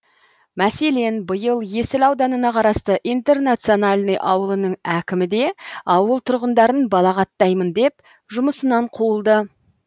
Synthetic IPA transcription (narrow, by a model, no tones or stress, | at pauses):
mæse̞le̞nbəjəlˠje̞sɪlɑwd̪ɑnənɑqʰɑɾɑst̪əʔijnt̪e̞rnat̪sijo̞nalʲnəjʔɑwəlˠənəɴækʲɪmɪd̪e̞ɑwəlˠt̪ʰʊɾʁənd̪ɑɾənbɑlˠɑqɑt̪ːɑjmənd̪e̞p | ʒʊməsənɑɴqʰuəlˠd̪ə